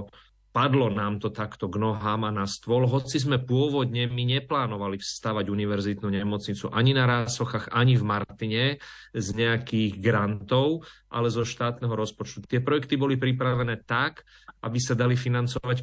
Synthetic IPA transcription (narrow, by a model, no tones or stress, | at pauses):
pad̪lɔnaːmt̪ɔt̪akt̪ɔɡnɔɦaːmanast̪ʋɔlɦɔt͡sizmɛpʊɔʋɔd̪ɲɛmiɲɛplaːnɔʋalifst̪aːʋaɟuniʋɛɾzit̪nuɲɛmɔt͡sɲit͡suʔaɲinaɾaːsɔxaːɣaɲivmaɾt̪iɲɛ | zɲɛakiːɣɡɾant̪ɔʊʔa̰lɛzɔʃt̪aːt̪nɛɦɔɾɔspɔt͡ʃt̪ut̪ɪɛpɾɔjɛkt̪ibɔlipɾipɾaʋɛnɛːt̪ak | ʔabisad̪alifinant͡sɔʋac